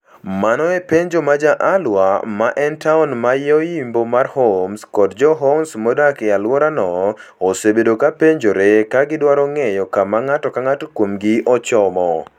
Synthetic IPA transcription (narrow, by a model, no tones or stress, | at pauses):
manɔepeɲd͡ʒomad͡ʒaʔalwamaʔɛntaʊnmajɔjimbomarhomskɔdd͡ʒɔɦɔnsmodakɪalwɔɾanɔː | sebedokapeɲd͡ʒoɾekaɡɪdwaɾɔŋɛjɔkamaŋatɔkaŋatokwomɡɪɔt͡ʃɔmɔ